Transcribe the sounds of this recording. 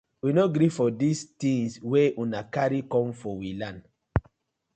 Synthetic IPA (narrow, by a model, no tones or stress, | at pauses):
winoɡɾifɔdistĩŋsweʔũnakaɹikɔ̃mfɔwilãn